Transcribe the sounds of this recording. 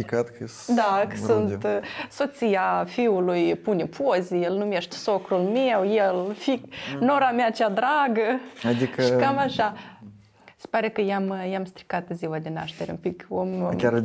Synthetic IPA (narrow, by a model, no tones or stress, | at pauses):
ikat̪kə | d̪akəsunt̪so̞t̪sijafiulujpunepʰozejelnume̞ʃt̪ʲso̞kɾulme̞wjelfikno̞ɾameaːt͡ʃead̪ɾaɡəad̪ikəʃikamaʃa | se̥paɾe̞kəjamjamst̪ɾi̥kat̪ziwad̪e̞na̰ʃt̪eɾeṵmpikomkʲaɾ